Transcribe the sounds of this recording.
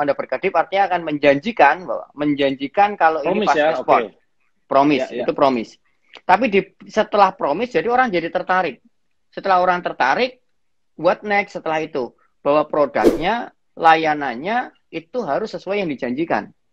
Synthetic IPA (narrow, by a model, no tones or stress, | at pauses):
andabərkəd̥ɪp̚art̪iɲaːkanməɲd͡ʒaɲd͡ʒikanbawa̰məɲd͡ʒaɲd͡ʒikankaloinipasspɔrt̚ | pɾomɪsit̪upɾomɪs | t̪apidisət̪əlahpɾomɪsd͡ʒadioɾaŋd͡ʒadit̪ərt̪aɾɪk̚ | sət̪əlahoɾaŋt̪ərt̪aɾɪk̚ | buat̪̚nɛk̚sət̪əlahit̪u | b̥awapɾoda̰k̚ɲa | lajanaɲa | it̪uɦaɾʊsːəsuajaŋdid͡ʒaɲd͡ʒika̰n